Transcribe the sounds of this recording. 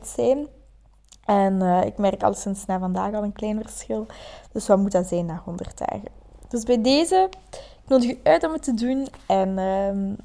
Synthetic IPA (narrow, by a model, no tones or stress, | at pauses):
tsɛjn | ʔɛnəːɪ̰kmɛrkɑ̰lˠsɪnsnaːvɑndaːxɑlˠənklɛːnvərsxɪlˠd̥ɵsʋamutaːzɛjnaːxɔndə̰rtɛ̰ːɣə | d̥ɵzbɛjdeːzəɪknoːdəxyœːtɔmətədunɛnə